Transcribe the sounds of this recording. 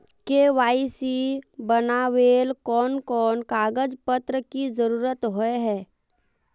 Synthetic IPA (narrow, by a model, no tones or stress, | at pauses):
keʋaːisibənaʋeːlkɔːnkɔːnkaːɡəd͡ʒpət̪ɾəkizəɾuːɾət̪ɦoeɦɛː